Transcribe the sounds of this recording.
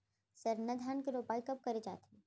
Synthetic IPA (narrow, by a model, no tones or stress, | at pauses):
sɐɾnɐd̪ʱaːnkiɾoːpaːikɐp̚kɐɾed͡ʒa̰ːt̪ɦẽ